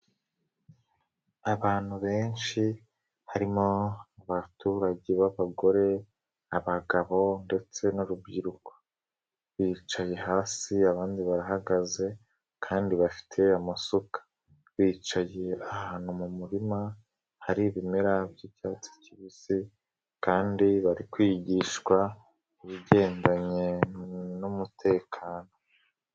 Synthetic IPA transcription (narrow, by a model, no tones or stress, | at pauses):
aβaːn̥huβe̞ːnʃi | haɾimo̞aβatuɾaɟe̞βaβaɡo̞ɾe̞ | aβaɡaβo̞nde̞t͡se̞nuɾubɟiɾuko̥ | βiːt͡ʃaje̞haːsiaβaːndiβaɾaɦaɡaze̞ | kʰaːndiβafi̥tʰe̞amasukḁ | βiːt͡ʃaje̞ahaːnumumuɾima | haɾiβimeɾabjicaːt͡si̥ciβisi | kaːndiβaɾikwiːɟiːʃkwa | iβiɟe̞ːndaɲe̞numutʰe̞ːkʰaːno̞